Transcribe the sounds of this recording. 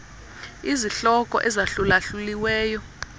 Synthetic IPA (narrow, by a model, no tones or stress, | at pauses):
iziɬɔkʼɔ̰ʔɛzaɬulaɬuliwɛːjɔ